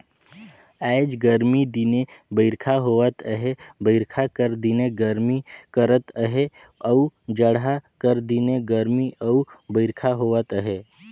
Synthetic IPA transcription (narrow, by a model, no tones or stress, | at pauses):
ɛjd͡ʒɡəɾmid̪inebəɪɾkʰaɦoʋət̪əɦebəɪɾkʰakəɾd̪ineɡəɾmikəɾət̪əɦe | əud͡ʒəɽɦakəɾd̪ineɡəɾmiʔəubəɪɾkʰaɦoʋət̪əɦe